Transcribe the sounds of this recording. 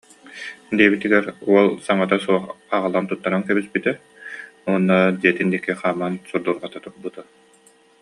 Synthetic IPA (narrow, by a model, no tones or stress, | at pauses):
d̪iɛbit̪iɡɛɾuɔlˠsaŋat̪asuɔχaʁalˠant̪ut̪ːaɾankɛbispit̪ɛ | uɔnːad̪iɛt̪ind̪ikːiχaːmansuɾd̪uɾʁat̪at̪uɾbut̪a